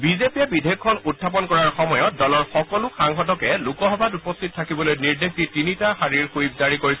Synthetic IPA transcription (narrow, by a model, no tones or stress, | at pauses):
bizepiɛbidʱekʰːɔnut̚ʰːap̬ɔnkɔɹaɹxɔmɔjɔt̚dɔlɔɹxɔkɔlʊxaŋxɔtɔkɛlukɔxɔbʱatupɔstʰit̚tʰakibɔlojniɹdexditinitaxaɹiɹxuib̚zaɹikoɹisɛ